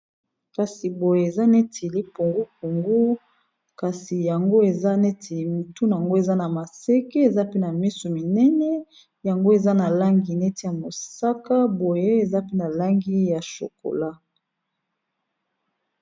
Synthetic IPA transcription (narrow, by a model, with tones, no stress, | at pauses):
ka˨si˨bo˨je˨e˨za˦nɛ˦tʰe˨li˦pu˨ŋɡu˦pu˨ŋɡu˦ | ka˨si˨ja˨ŋɡo˦e˨za˦nɛ˦tʰe˨li˨mu˨tu˦n˨a˨ŋɡo˦e˨za˦na˨ma˨sɛ˦ke˦e˨za˦pe˦na˨mi˦so˨mi˨nɛ˦nɛ˦ | ja˨ŋɡo˦e˨za˦na˨la˦ŋɡi˨nɛ˦ti˦ja˨mo˨sa˦ka˦bo˨je˦e˨za˦pe˦na˨la˦ŋɡi˦ja˨ʃo̰˨ko̰˨la˦